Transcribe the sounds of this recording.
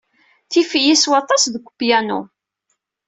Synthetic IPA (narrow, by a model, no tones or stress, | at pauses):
θifijiswɑt̪ˤːɑsðəkʷːpjænṵ